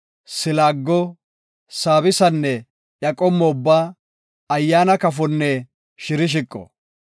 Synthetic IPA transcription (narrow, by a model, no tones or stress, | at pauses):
sɪlaːɡːɔ | saːbɪsɐnːɛ | jɐkʼɔmːɔʊbːaː | ɐjːaːnɐkɐfɔnːɛ | ʃɪɾɪʃ̬ɪkʼːɔ̰